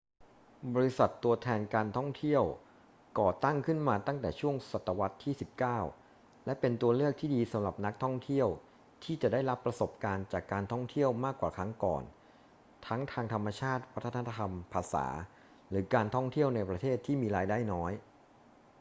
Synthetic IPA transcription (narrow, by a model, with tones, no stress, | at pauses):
bɔː˧ɾi˦˥sa˨˩t̪ːu˧ɐt̪ʰɛː˧nkaː˧nt̪ʰɔ˥˩ŋt̪ʰi˥˩əw | kɔː˨˩t̪a˥˩ŋkʰɯ˥˩nmaː˧t̪a˥˩ŋt̪ɛː˨˩t͡ɕʰu˥˩əŋsa˨˩t̪ːa˧wa˦˥t̪ʰːiː˥˩si˨˩p̚kaː˥˩w | lɛ˦˥pe˧nt̪u˧ɐlɯ˥˩ək̚t̪ʰiː˥˩diː˧sa˩˦mɾa˨˩p̚na˦˥k̚t̪ʰɔ˥˩ŋt̪ʰi˥˩əw | t̪ʰiː˥˩t͡ɕa˨˩daː˥˩jɾa˦˥pːɾa˧so˨˩p̚kaː˧nt͡ɕaː˨˩kːaː˧nt̪ʰɔ˥˩ŋt̪ʰi˥˩əwmaː˥˩kːwaː˨˩kʰɾa˦˥ŋkɔ̰ː˨˩n | t̪ʰa˦˥ŋt̪ʰaː˧ŋt̪ʰa˧mːa˧t͡ɕʰaː˥˩t̪̚wa˦˥t̪ʰːt̪ʰːa˧a˧t̪ʰa˧mpʰaː˧sa̰ː˩˦ | ɾɯː˩˦kaː˧nt̪ʰɔ˥˩ŋt̪ʰi˥˩əwna˧jpɾa˧t̪ʰeː˥˩t̪ʰːiː˥˩miː˧ɾaː˧jdaː˥˩jnɔː˦˥j